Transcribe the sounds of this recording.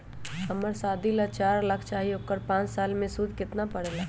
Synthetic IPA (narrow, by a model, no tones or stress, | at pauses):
ɐməɾsaːd̪ʱilat͡ʃaːɾləkʰt͡ʃaːɦiokəɾpãːt͡ʃsaːlmẽsud̪ʱkɪt̪napɐɽ̤laː